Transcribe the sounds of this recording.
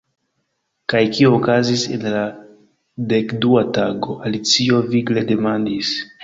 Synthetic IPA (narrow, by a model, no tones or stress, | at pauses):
kajkioːkazise̞̰nla | de̞kduataɡo̞ʔalit͡sio̞viɡle̞de̞mandis